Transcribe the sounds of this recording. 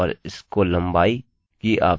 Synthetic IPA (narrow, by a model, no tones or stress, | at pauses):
ɔːɾɪskolɐ̃mbaːi | kiʔa̰ːp